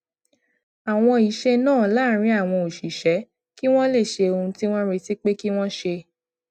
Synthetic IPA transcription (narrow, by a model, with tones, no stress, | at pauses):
a˨w̃ɔ̃˧i˨˦ʃe˦nãː˦˨˦laː˦ɾ̃ĩ˨˦a˦˨w̃ɔ̃˧o˨ʃi˨ʃɛ˨˦ | ki˦w̃ɔ̃˦le˦˨ʃe˧o˧ũ˧ti˦w̃ɔ̃˦ɾe˧ti˦k͡pe˦ki˦w̃ɔ̃˦ʃe˧